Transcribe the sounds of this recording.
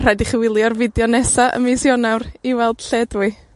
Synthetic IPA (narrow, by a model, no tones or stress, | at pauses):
r̥ajdiχəwɪlˠjɔrvɪdjɔnɛsaʔə̰mɪsjɔnawriwɛlˠd̥ɬɛdwɨ